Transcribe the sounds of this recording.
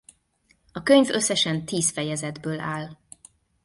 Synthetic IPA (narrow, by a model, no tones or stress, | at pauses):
ɒkøɲvø̞sːɛʃɛnt̪iːsfɛjɛzɛd̪bøːlʔaːl